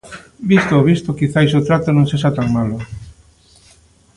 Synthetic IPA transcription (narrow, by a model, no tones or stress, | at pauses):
bist̪ooβist̪okiθajsot̪ɾat̪onõŋseʃ̬at̪aŋmalʊ